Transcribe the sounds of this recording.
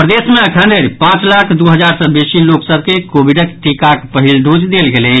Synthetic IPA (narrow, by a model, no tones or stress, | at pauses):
pɾəd̪esmeəkʰə̃ɳɖəɾpãt͡ʃlakʰd̪uɦəd͡ʒaɾsə̃besiloksəb̚ʱkekobiɖəkʈikakpəɦilɖod͡ʒd̪elɡelɛ